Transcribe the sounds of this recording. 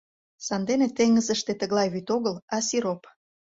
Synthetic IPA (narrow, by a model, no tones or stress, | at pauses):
sɑnd̪enet̪eŋːəzəʃt̪et̪əɣlɑjβyt̪oɣəlɑsiɾop